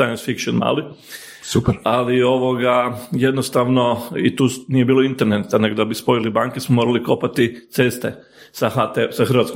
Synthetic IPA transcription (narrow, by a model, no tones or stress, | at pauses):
sajonsfikt͡ʃonma̰ːli | supɾalio̞ʋo̞ɡaje̞d̪nost̪aʋno̞it̪uːnije̞biːloint̪eɾnet̪ane̞ɡod̪abispo̞jilibaːŋkesmomoɾaliko̞pat̪it̪se̞st̪e̞ | sahat̪esaxɾ̩ʋat̪ko